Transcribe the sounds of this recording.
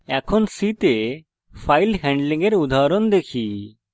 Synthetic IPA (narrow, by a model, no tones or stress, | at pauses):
ɛkʰɔnsit̪e | pʰajlɦɛ̃ɳɖliŋɡeɾud̪ʱaɾɔnd̪ekʰi